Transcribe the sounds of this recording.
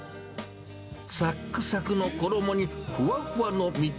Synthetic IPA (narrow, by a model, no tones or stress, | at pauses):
sakːɯsakɯ̟nokod̪omo̞ɲ̟iɸɯβaɸɯanomʲi